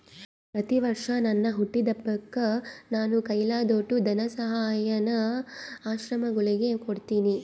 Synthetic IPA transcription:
pɾɐt̪iʋɐɾʂɐnɐnːɐɦuʈːid̪ɐpːɐɡːɐnaːnukɐjlaːd̪oːʈːud̪ɐnɐsɐɦaːjɐnɐaːʃɾɐmɐɡuɭiɡe̞koɽt̪iːni

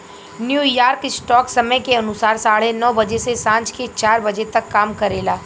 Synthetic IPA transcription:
njuːjaːɾkɪsʈɔːksɐməjkeɐnʊsaːɾsaːɽ̤enɔːbɐd͡ʒesesãːt͡ʃket͡ʃaːɾbɐd͡ʒet̪ɐkːaːmkɐɾeːlaː

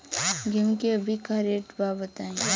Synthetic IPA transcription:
ɡɪmkeɐbʱikaɾeːʈbabət̪aːẽ

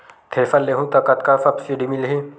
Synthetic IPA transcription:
t̪ʰeːfɐlːeɦũt̪ɐkɐt̪kafɐpsiɖimilɦi

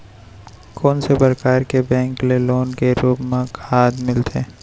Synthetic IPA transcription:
kʰɔːnsebɐɾkaːɾkebɛ̃ːŋkleloːnkeɾuːbmãkʰaːd̪mɪlt̪eː

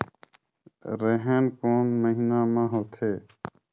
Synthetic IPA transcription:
ɾeɦeːnkoːnməɦinãːmãːɦoːt̪ʰeː

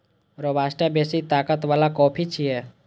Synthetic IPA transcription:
ɾobaːsʈebeːsit̪aːkət̪ʋaːlakɔːpʰit͡ʃʰiɦɛː

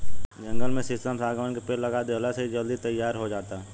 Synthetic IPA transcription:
d͡ʒɐ̃ŋɡəlmẽsɪsʈəmsaːɡəʋənkepeːllːɐɡaːd̪eələseɦid͡ʒɐld̪it̪ɐjːaːɾɦod͡ʒaːt̪aɦɛ

